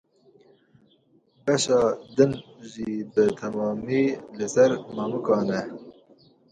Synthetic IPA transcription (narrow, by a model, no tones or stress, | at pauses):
bɛʃɑːd̪ɨnʒiːbɨt̪ʰɛmɑːmiːlɨsɛɾmɑːmukɑːnɛ